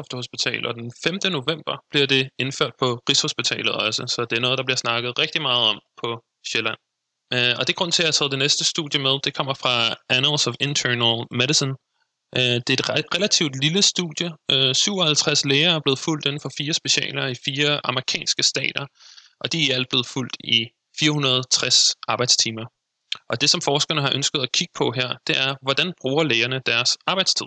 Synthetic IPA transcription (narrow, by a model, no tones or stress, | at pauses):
ɒfd̥əho̝sb̥it͡sʰɛ̰ːlɒ̽d̥enfemd̥əno̝ʋem̰b̥ɐb̥liɐd̥e̝e̝nføɐ̰d̥̚pʰɒ̽kʰʁisho̝sb̥it͡sʰɛ̰ːlð̩ˠɒ̽səsɒ̽d̥e̝æɐnɔðˠd̥ɑb̥liɐsnɑ̈ɡ̥ð̩ˠʁeɡ̥̚d̥imɑ̈ːð̞̩ˠɒ̽m̰pʰɒ̽ | ɕelæn̰ | ɒ̽d̥e̝ɐɡ̥ɔ̽n̰t͡sʰe̝ææt͡sʰɛːð̩ˠd̥enesd̥əsd̥ṵðˠjəmeðˠd̥e̝kʰɒ̽m̰ɐfʁɑ̈ʔænəlsɒfent͡sʰønlmeɾisən | ʔd̥e̝ɐed̥ʁelæt͡sʰiʊ̰d̥liləsd̥ṵð̥ˠjəsyʊ̰ɒhælt͡sʰʁasleːɐæɐb̥le̝ːð̩ˠful̰d̥e̝n̩fɒ̽fiːɐsb̥e̝ɕɛ̰ːlɐifiːɐʔɑ̈məʁikʰɛ̰ːnsɡ̥əsd̥ɛ̰ːd̥ɐʔɒ̽d̥iiæl̰d̥̚b̥le̝ːð̩ˠful̰d̥i | fiːɐhunɐð̞ˠt͡sʰʁasʔɑ̈ːb̥ɑ̈ɪd̥st͡sʰiːmɐ | ʔɒ̽d̥e̝sɒ̽mfɒːsɡ̥ɐnəɦɑ̈ʔønsɡ̥əð̩ˠækʰiɡ̥ə̥pʰɒ̽ɦeɐ̰d̥e̝æɐʋɒd̥ænb̥ʁuːɐleːɐnəd̥æɐsʔɑ̈ːb̥ɑ̈ɪd̥st͡sʰið̰ˠ